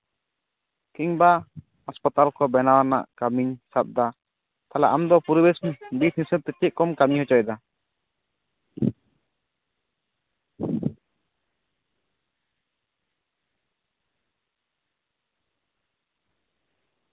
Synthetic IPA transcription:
kiɲba | hɔspɔt̪alkɔbɛnawana̰ʔkamiɲsap̚d̪a | t̪alaʔamd̪ɔpuɾibɛsbit̪nisəm̚t̪ɛt̪iʔ̚kɔmkamiɲhɔt͡ʃɔjd̪a

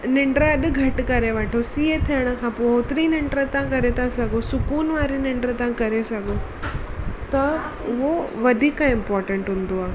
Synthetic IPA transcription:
nɪ̃ɳɖɾəɐɗ̆ɡʱɐʈkɐɾeʋɐʈʰosiːet̪ʰijəɽ̃ə̆kʰãːpoʊt̪ɾinɪ̃ɳɖɾət̪ãkɐɾet̪ʰasɐɡʱosʊkuːnʋaːɾinɪ̃ɳɖɾət̪ãkɐɾesɐɡʱo | t̪ɐ | ʊɦoʋɐd̪ʱiːkãɪ̃mpɔːɾʈə̃ɳʈɦʊ̃nd̪oaːɦe

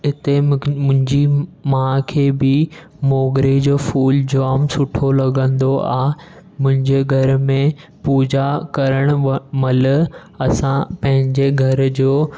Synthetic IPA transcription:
ɦɪt̪eʊ̃ɦɪ̃ɲd͡ʑimãːkʰeːbɪ | moːɡɾed͡ʑoːfuːld͡ʑaːmsʊʈʰolɐɡə̃nd̪oʔa̰ːɦ | mʊ̃ɦɪ̃ɲd͡ʑeːɡʱɐɾʊ̆mẽ | puːd͡ʑakɐɾəɽ̃ʊmɐlʊ̆ | ɐsãpɐ̃ɦɪ̃ɲd͡ʑeɡʱɐɾʊd͡ʑoː

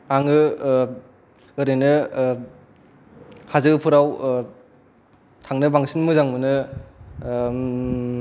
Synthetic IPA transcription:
aŋɯ | ɯɾɯjnɯ | hazɯɡɯpʰuɾaw | tʰaŋnɯbaŋsinmɯzaŋmɯnɯ

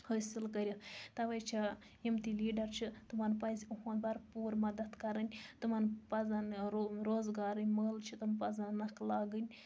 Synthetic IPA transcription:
həːsilkɐɾʲit̪ɐʋɐjt͡ʃʰa | imt̪iliːɖɐɾt͡ʃʰit̪ɨmɐnpɐzʲuɦonbɐɾpuːɾmɐd̪ɐt̪kɐɾɐnʲt̪ɨmɐnpɐzɐnɾoːzɡaːɾɨnʲməːlt͡ʃʰit̪ɐmpɐzɐnnɐklaːɡɨnʲ

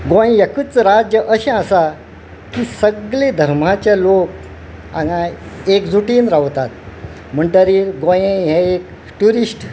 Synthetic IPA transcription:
ɡõj̃jakut͡sɾad͡ʑjəʔəɕẽasa | kiːsəɡled̪ʱəɾm̤at͡ɕjalok̚ | ã̰ŋaekd͡zuʈiːnɾaʋt̪at̪̚ | m̤əɳɖəɾiːɾɡõjẽɦɛek | ʈuɾisʈ

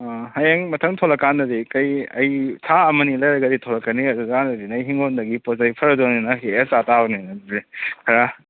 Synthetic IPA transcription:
ahajeŋmɐtʰɐŋtʰolɐkːandɐɾikɐjɐjsʰaɐmɐnilɐjɾɐɡɐditʰolɐkːɐniɐdukandɐɾinɐjɦiŋondɐɡipozajpʰɐɾɐduninɐɦeesatawninɐɾikʰɐɾa

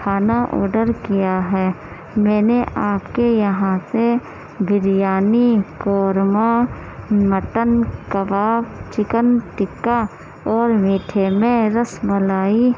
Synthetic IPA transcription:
kʰaːnaʔɔ̰ːɾɖəɾkijaɦɛː | mɛ̃ːneʔaːpkejɐɦãse | bʱɪɾjaːnikɔːɾma | məʈənkəbaːbt͡ʃɪkənʈɪkːa | ɔːɾmiːʈʰemẽɾəsməlaːi

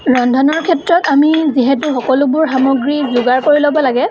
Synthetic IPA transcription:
ɹɔndʱɔnɔɹkʰɛtɹɔtamiziɦɛtuxɔkɔlʊbʊɹxamɔɡɹizʊɡaɹkoɹilobɔlaɡɛ

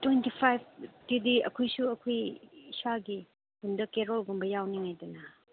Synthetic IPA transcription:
twejntipʰajb̚tidiɐkʰojsuɐkʰojisaɡi | hundɐkeɾolɡombɐjawniŋajdɐnɐ

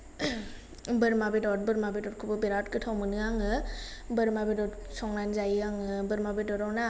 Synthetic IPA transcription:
bɯɾmabidɔt̚bɯɾmabidɔt̚kʰubɯbiɾatkɯtʰawmɯnɯaŋɯbɯɾmabidɔtsɔŋlanzajiaŋɯbɯɾmabidɔɾɔwna

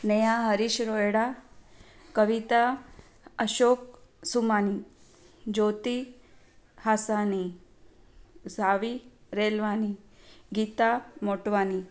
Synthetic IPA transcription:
nejaɦəɾiɕɾojɽa | kəʋit̪a | əʃoːk̚sumaːni | d͡ʒoːt̪i | hasaːni | zʱaːʋiɾeːlʋaːniɡiːt̪amoʈʋaːni

